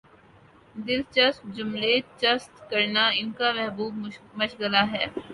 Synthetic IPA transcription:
d̪ɪlt͡ʃɐstd͡ʒʊmleːt͡ʃɐst̪kɐɾnaɪnkamɛɦbuːbmɐʃɡəlaɦɛː

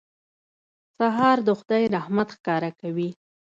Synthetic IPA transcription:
saɦɑɾd̪əxʊd̪ajɾahmat̪xkɑɾakawi

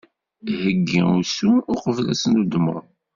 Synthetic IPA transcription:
həɡːḭusuːqəvlæsənud̪mə̰ɾˤ

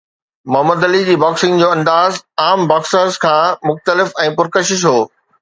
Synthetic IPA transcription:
mɐɦəməd̪ɐlid͡ʑiːbaːksɪ̃ŋɡd͡ʑoːɐ̃nd̪aːzaːmbaːksəɾzkʰãːmʊxt̪əlɪfɛ̃ːpʊɾkəʃɪʃ̬ɦoː

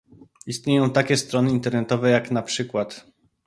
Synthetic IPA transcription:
ist̪ɲejɔ̃w̃t̪akʲɛst̪ɾɔnɘint̪ɛɾnɛt̪ɔvɛjaknapʂɘkwat̪

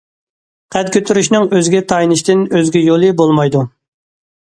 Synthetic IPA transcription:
qʰɛd̪kʲʰøt̪ʰyɾyʃnɪŋøzɡʲɛt̪ʰɑjnɨʃt̪ɪnøzɡʲɛjolˠɨbolˠmɑjd̪u

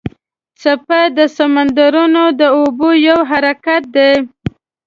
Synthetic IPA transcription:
t͡sapad̪əsamand̪aɾunod̪əobojawɦaɾakat̪̚d̪e

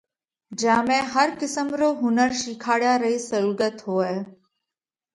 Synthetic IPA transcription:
d͡ʒaːmẽːɦəɾkɪsəmɾoːɦʊnəɾʃiːkʰaːɽjaːɾɐisɐɾuːɡət̪ɦoːɛː

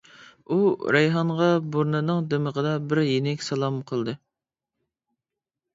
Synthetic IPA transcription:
uɾɛjɦɑɴʁɑboɾnɨnɨŋd̪eməʁəd̪ɑbɪɾjenɪkʲsɑlˠɑmqʰəlˠd̪ɨ

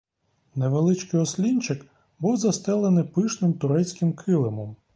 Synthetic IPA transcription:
neʋelˠɪt͡ʃkɪjɔsʲlʲinʲt͡ʃɪk | buwzɐst̪ɛlˠenɪpɪʃnɪmt̪ʊɾɛt͡sʲkɪmkʰɪlˠɪmɔm

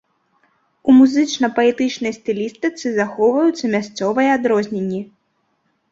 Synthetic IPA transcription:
umuzɨt͡ʂnɐpɐɛt̪ɨt͡ʂnɐjst̪ɨlʲist̪ɨt̪sɨzaxɔwvɐjut̪sːɐmʲast̪sɔvɐjɛad̪ɾɔzʲnʲenʲːi

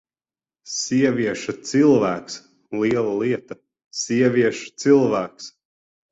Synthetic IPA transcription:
siɛvʲiɛʃɐt̪silˠvæːks | liɛlˠaliɛt̪ɐ | siɛvʲiɛʃu̥t̪silˠvæːks

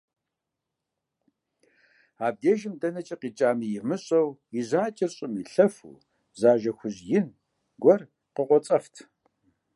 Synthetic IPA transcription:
aːb̚deːʒɪmdɐnɐt͡ʃʼɐqiːt͡ʃʼaːmijɪmɨɕʼɐwiʑaːt͡ʃʼɪrɕʼɪmiɬɐfṵː | zaːʒɐxʷʊʑjɪn | ɡʷɔr | qəqʷɔt͡sʼɐftʰ

